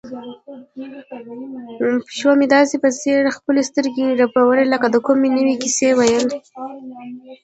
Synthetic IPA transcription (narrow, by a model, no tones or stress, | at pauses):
pi̥ʃwamed̪ɑsepəseɾxpəlest̪əɾɡeɾapawəɾeləkad̪əkomenəwikisewajəld̪e